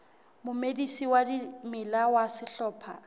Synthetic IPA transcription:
mʊmedisiwadimɪlawasɪɬɔːpʰa̰

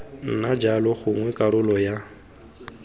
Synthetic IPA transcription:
n̩nad͡ʒalɔχʊŋwɛkʼaɾʊlɔja

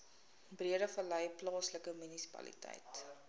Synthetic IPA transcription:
briəɾəfəlɐjplɑːsləkəmynisi̥pɐ̰lḭtɐ̰jt

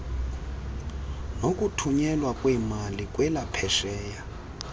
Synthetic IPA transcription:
nokʼutʰuɲɛlwakʼwimalikʼwɛlapʰɛʃɛːja

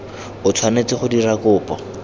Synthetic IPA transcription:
ʊt͡sʰwanet͡sɪχʊdirakʊːpɔ

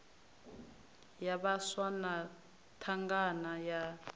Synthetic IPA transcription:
jaβaswana | tʰaŋɡanaja

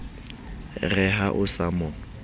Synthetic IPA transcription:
rɛɦaʔʊsamɔ

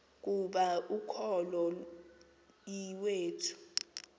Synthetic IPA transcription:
k̬uɓaukʰɔlɔ | iweːtʰu̥

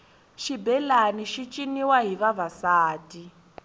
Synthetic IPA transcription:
ʃibɛlaniʃit͡ʃʼiniwaɦiβaβasaːtʼi

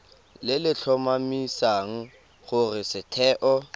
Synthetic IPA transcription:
lɪlɪt͡ɬʰɔmamisaŋ̩ | χʊrɪsɪtʰɛːʔɔ

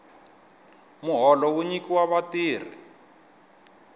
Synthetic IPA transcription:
muɦɔlɔwuɲikiwaβatiːr̤ḭ

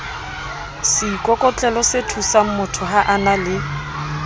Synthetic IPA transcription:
sɪːkʼɔkʼɔt͡ɬʼɛlɔsetʰusam̩mʊtʰʊɦaʔanalɪ

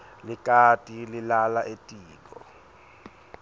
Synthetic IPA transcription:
likʼatʼililalaʔetʼiːkɔ̰

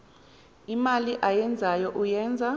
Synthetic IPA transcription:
imaliʔajɛnd͡zʱajɔʔujɛːnd͡zʱa

